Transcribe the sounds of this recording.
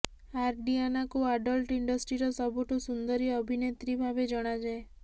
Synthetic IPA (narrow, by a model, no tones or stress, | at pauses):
aɾɖianakuaɖɔlʈiɳɖɔsʈɾiɾɔsɔbʱuʈusund̪ɔɾiɔbʱinet̪ɾibʱabed͡ʒɔɽ̃ad͡ʒae